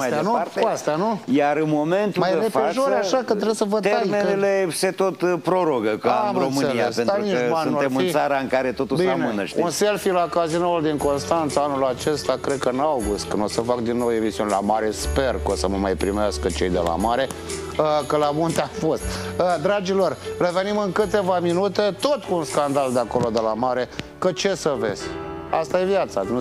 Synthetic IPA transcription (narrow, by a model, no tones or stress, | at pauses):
maajd̪nuaɾt̪keast̪anujaɾɨnmo̞me̞nt̪umajɾefeaʒoɾaakət̪ɾesəvot̪earmeneleset̪o̞t̪pɾo̞ɾoɡəkəamromɨneiaspent̪aluinanunaemɨnisaɾaɨŋkaɾe̞t̪o̞t̪ubsianemɨneʃt̪unse̞lfilakazinold̪iŋko̞nst̪ant̪səanulat͡ʃe̞st̪akɾed̪̚kəɨnawɡust̪̚kɨnosəfakd̪inːowe̞misiunelamaɾe̞spe̞rkosəməmajpɾimeaskət͡ʃe̞jd̪e̞̰la̰maɾe̞ | kəlamunt̪eafo̞st̪̚əd̪ɾad͡ʒilo̞rreve̞nimɨŋkɨt̪e̞vaminut̪e̞t̪o̞t̪kuːnskand̪ald̪eako̞lo̞d̪e̞lamaɾe̞kət͡ʃe̞səve̞̰z̥ʲa̰st̪aje̞vjat̪san